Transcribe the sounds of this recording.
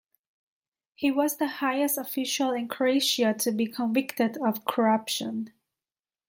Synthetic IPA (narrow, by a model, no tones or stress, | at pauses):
hiwʌzðəhaɪɨstəfɪʃəl̩ˠɪ̃nkʰɹoeɪʃətʰɨbikʰə̃ɱvɪktɨɾʌv̥kʰə˞ʌpʃə̃n